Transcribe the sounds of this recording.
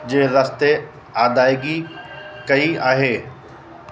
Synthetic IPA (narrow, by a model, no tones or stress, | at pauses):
d͡ʒeːɾɐst̪e | aːd̪aːeɡikɐiaːɦeː